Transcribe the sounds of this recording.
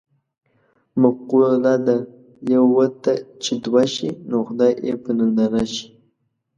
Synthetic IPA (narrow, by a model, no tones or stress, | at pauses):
mʊqulad̪a | jawwət̪at͡ʃɪd̪waʃinoxʊd̪ɑjʔepənandanaʃi̥